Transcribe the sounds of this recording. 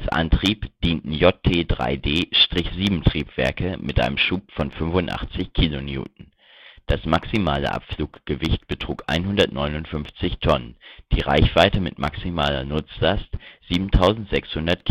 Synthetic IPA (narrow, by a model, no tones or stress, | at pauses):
sʔa̰ntʁ̥iːpd̥iːntn̩jɔtʰeːdʁa̰ɪdeːʃtʁ̥ɪçz̥iːbm̩tʁ̥iːpv̥ɛɐkəmʔɪtʔa̰ɪnəmʃuːpfɔnfʏnvʊntʔa̰χt͡sɪçkʰiːlonjṵːt̚n̩ | d̥asmaksima̰ːlə̰ʔa̰pfluːkɡ̥əvɪçt̚b̥ətʁ̥uːkʔa̰ɪnɦʊndɐtnɔʏnʊntfʏnft͡sɪçtʰɔnənd̥iːʁa̰ɪçv̥aɪtəmɪ̰tmaksimaːlɐ̰nʊt͡sz̥astz̥iːbm̩tʰaʊzn̩tz̥ɛkshʊndɐt̚kʰ